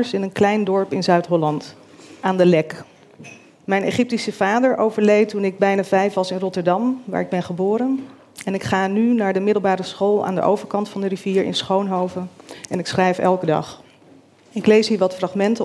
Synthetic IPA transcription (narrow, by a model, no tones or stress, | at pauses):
əɹsɪnənklɛjndɔɹpɪnzœɥtɦɔlɑnt | ʔaːndəlɛk | mɛjneχɪp̚tisəv̥aːdəɹʔowvəɹlejtunɪɡ̚bɛjnaːvɛjfʋɑsɪnrɔtəɹdɑmʋa̰ːɹɪɡ̚bɛnχəbʊːɾən | ɛnɪkχaːnynaːɹdəmɪdəl̩ˠbaːɾəsχoːlˠa̰ːndəʔo̰wvəɹkɑntfɑndəriviːɹɪ̰nsχownɦowvənɛnɪksχrɛjfɛ̰lˠkədɑ̰χ | ɪklejsɦiːɹʋɑtfrɑχmɛntə